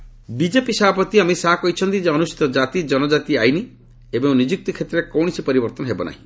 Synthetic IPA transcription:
bid͡ʒepisabapɔt̪iamesaɦakɔit͡ʃʰɔnt̪id͡ʒeɔnusi̥t̪ɔd͡ʒat̪id͡ʒɔnɔd͡ʒat̪iajni | ebɔnid͡ʒuk̚t̪ikʰet̪ɾeɾekɔwɽ̃isipɔɾibɔɾt̪ɔnɔɦebɔna̰ɦḭ̃

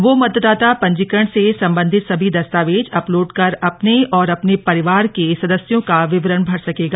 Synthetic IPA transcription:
ʋomɐd̪d̪aːt̪apɐ̃ɲd͡ʒɪkəɽ̃sesɐ̃mbə̃nd̪ʱɪt̪sɐbʱid̪ɐst̪aːʋeːd͡ʒɐploːɖkɐɾɐpneɔːɾɐpnepɐɾɪʋaːɾkesɐd̪əsjõkaʋɪʋɾənbʱɐɾsɐkeːɡaː

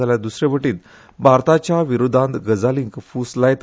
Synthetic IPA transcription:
aljad̪usɾeʋəʈiːt̪ | bʱaɾt̪at͡ɕjaʋiɾod̪ʱãnt̪ɡəd͡zaliŋkfuslajt̪

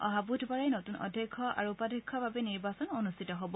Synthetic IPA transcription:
ɔ̰ɦabudʰʱbaɹajnotunɔ̰dʱjɔkʰːɔʔa̰ɹuːpadʱɛkʰːɔbʱabɛniɹbasɔnɔnustʰitɔɦɔbɔ

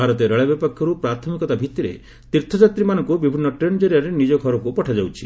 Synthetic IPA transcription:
bʱaɾɔt̪eɾeɭebjɔpɔkʰjɔɾupɾat̪ʰɔmikɔt̪abʱit̪iɾḛ | t̪iɾt̪ʰɔd͡ʒat̪ɾimanɔŋkubibʱinːɔʈɾend͡ʒɔɾjaɾenid͡ʒɔɡʱɔɾɔkupɔʈʰad͡ʒawt͡ʃʰi

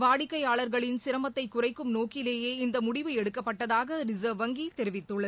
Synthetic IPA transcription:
ʋaːɽɪkːɐɪjaːɭɐɾɣɐɭɪnsɪɾɐmɐt̪ːɐɪkːʊrɐɪkːɯmnoːkɪleːjeːɪnd̪ɐmʊɽɪʋɐɛɽɯkːɐpːɐʈːɐðaːɣɐɾɪzɐʋɐŋɡit̪ɛɾɪʋɪt̪ːɯɭːɐð

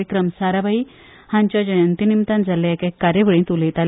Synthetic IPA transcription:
ikɾəmsaɾabai | hãɲt͡ɕjad͡ʑəjənt̪inimt̪and͡zʱalaekekːaɾjəʋəɭĩnt̪ulẽt̪al

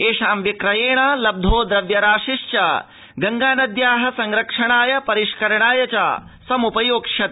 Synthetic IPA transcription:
eːʂaːmʋikɾɐjeːɳ̃ɐlɐb̚d̪ʱoːd̪ɾɐʋjɐɾaːʃiʂt͡ʃa̰ | ɡɐŋɡaːnɐd̪jaːɦɐ̆sɐŋɾɐkʂɐɳaːjɐpɐɾiʂkɐɾɐɳaːjɐt͡ɕa̰ːsɐmupɐjoːkʂɐt̪

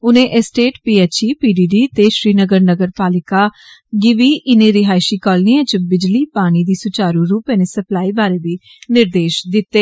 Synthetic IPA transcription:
ʊnẽːʔɛsʈeːʈpiːeːt͡ʃiːpiːɖiːɖiːt̪eːʃɾiːnəɡəɾnəɡəɾpaːlɪkaː | ɡɪʋiːʔɪnẽːɾɪɦaːɪʃiːkɔːlniãːt͡ʃəbɪd͡ʒliːpaːɽ̃iːd̪iːsʊt͡ʃaːɾũːɾuːpeːnẽːsəplaːiːbaːɾeːbiː | nɪɾd̪eːʃd̪ɪt̪ːeː

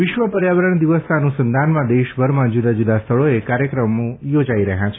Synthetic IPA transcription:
ʋɪʃʋəpəɾjaʋəɾəɳd̪iʋəst̪anusənd̪ʱanmãd̪eʃbʱəɾmãd͡ʒud̪ad͡ʒud̪ast̪ʰəɭoekaɾjəkɾəmõjod͡ʒaiɾəɦjãt͡ʃʰe

